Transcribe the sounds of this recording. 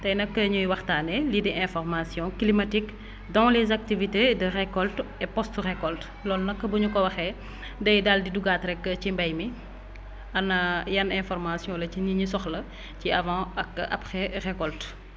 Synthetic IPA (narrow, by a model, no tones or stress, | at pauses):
tɐjnɐkːəɲujwɐxtaːnɛlidɛʔɛ̃fɔrmasjɔ̃klimatik | dɔ̃ːlɛzak̚tivitedərɛkɔltɛpɔstrɛkɔlt | lɔlnɐkːəbuɲukɔwɐxɛ | dɐjdaldiduɡatɾɛkːət͡ʃimbɐjmi | ɐnɐjɐnɛ̃fɔrmasjɔ̃lɐciniɲisɔxlɐ | ciɐvãːɐkːʔɐ̰pxɛrɛkɔlt